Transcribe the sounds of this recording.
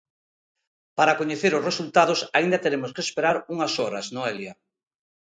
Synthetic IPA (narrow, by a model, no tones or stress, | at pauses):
paɾakoɲeθeɾʊsresult̪að̞ʊsaind̪ɐt̪eɾemʊskeːspeɾaɾuŋɐsɔɾɐznoelja